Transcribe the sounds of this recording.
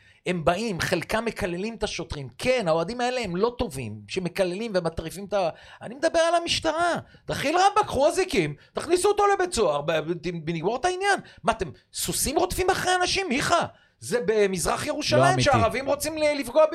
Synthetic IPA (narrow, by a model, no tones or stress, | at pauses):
he̞mbaimχe̞lkame̞kale̞limet̪aʃo̞t̪ʁimkʰenaoad̪imae̞le̞emlo̞t̪o̞vḭmʃeme̞kale̞limvemat̪ʁifimt̪aanime̞d̪abe̞ʁalamiʃt̪aʁa | t̪aχilʁabakχuazikimt̪aχnisuot̪o̞le̞bet͡so̞aʁbbeniɡmoʁt̪ainjanmat̪em | susimʁot̪fimaχʁeanaʃimiχa | zebemizʁaχjeʁuʃalajimʃeaʁavimʁo̞t͡simlifɡoab